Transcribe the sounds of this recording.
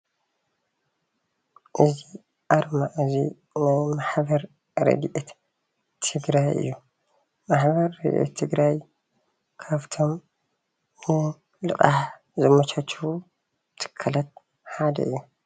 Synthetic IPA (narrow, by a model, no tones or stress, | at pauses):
ʔɨzi | ʔaɾmaʔɨzḭ | najmaħbɐɾ | ɾɐ̰ɡʔet̪ːʰ | ɨɡɾajɨ̰jːu | maħbɐɾːɐ̰ɡʔḛt̪ʰːɨɡɾaj | kʰaβt̪ʰo̞m | nɨ | lɨqʼaħ | zɐmɐt͡ʃʰat͡ʃːu | t̪ʰɨ̥kʰːɐlɐt̪̚ | ħad̪ɐ̰ɨjːu